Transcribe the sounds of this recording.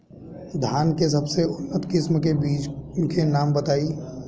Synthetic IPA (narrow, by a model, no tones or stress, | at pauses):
d̪ʱjaːnkes̬ɐbseʊnːət̪kɪsmkebiːt͡ʃkenaːmbɐt̪aːiː